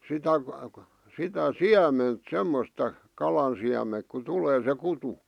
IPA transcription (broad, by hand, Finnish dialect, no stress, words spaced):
sitæ sitæ siæment semːostɑ kɑlɑn siæmeŋk ku tuleː se kutu